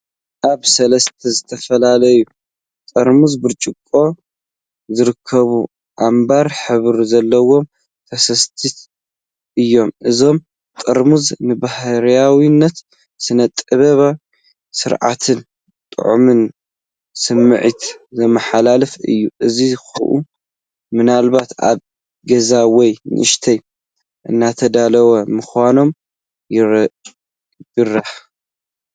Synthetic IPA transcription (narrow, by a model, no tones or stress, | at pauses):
ʔaβsɐlɐst̪ʰɐzɨt̪ʰɐfɐlalɐju | t̪ʼɐɾmuzbɨɾt͡ʃʼɨkʼːo̞ | zɨɾɨkʰːɐβu | ʔambaɾħɨβɾzɐlːɐwo̞m | t̪ʰɐsɐst̪ʰit̪ | ʔɨjːo̞mʔɨzo̞m | t̪ʼɐɾmuznɨbahɾjawinːɐt̪ | sɨnɐt̪ʼɨβɐβa | sɨɾʕa̰t̪ʰɨn | t̪ʼɨ̰ʕumɨn | sɨmːɨʕit̪zɐmɐħalalɐfɨ̰jːuʔɨzixɐʔu | mɨnalβat̪a̰β | ɡɐzawɔjnɨ̰ʔɨʃt̪ʰɐj | ʔɨ̰nːat̪ʰɐd̪alɐwɐmɨxwano̞m | bɨrːɐħ